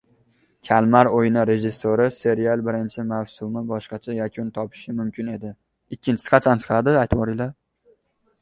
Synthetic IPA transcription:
kʲʰalˠmaɾojnɪɾe̞ʒɪsːoɾɪse̞ɾialˠbɪɾɪnt͡ʃʰɪmawsʊmɪbɒʃqɑt͡ʃʰajakʲʰʊnt̪ʰɒpʰɪ̥ʃɪmʊmkʲɪne̞d̪ɪ | ɪkʲːɪnt͡ʃʰɪsɪ̥qʰɑt͡ʃʰant͡ʃ̪ʰqʰad̪ɪajt̪ʰwɒɾɪla

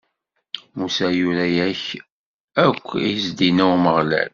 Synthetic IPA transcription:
musæjuɾæjæç | ækʷːizd̪inæwməʁlæ̰l

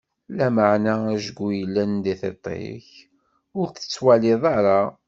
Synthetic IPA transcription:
læməʕnææʒɡʷːujəlːænd̪iθet̪ˤːḛç | ʊɾθə̥t͡sːwælɪðˤɑɾˤa

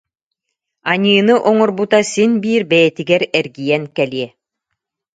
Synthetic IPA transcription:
aɲɯːnɯʔɔŋɔɾbut̪asinbiːɾbɛjɛt̪iɡɛɾɛɾɡijɛnkɛliɛ

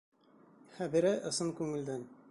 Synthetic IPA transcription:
χæbĭɾɘʔɤ̆sɤmkʉŋɘ̆ld̪æn

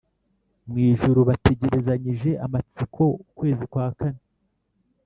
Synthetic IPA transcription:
mŋiːʒuɾuβate̞ɟe̞ɾe̞zaɲiʒe̞ʔamat͡sikʰo̞ukwe̞ːzikwaːkane

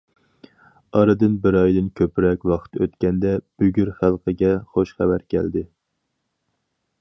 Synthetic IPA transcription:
ɑɾɨd̪ɨnbɪɾɑjd̪ɨnkʲʰøpɾɛkʲwɑχt̪ø̰t̪kʲɛnd̪ɛb̥yɡʲyɾχælˠqʰəɡʲɛχoʃχæbæɾkʲʰæ̰ld̪ɪ

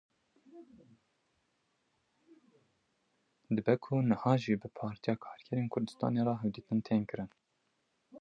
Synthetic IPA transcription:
d̪ɨbɛkʰʊnɨhɑːʒibɨpʰɑːɾt̪ijɑːkʰɑːɾkʰɛɾeːnkʰʊɾd̪ɨst̪ɑ̰ːneːɾɑɦɛwd̪iːt̪ɨnt̪ʰeːnkɨɾɨn

